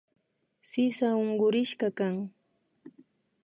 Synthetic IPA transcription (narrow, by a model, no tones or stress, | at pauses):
sɪsaoŋɢʊɾɪʃkakaŋ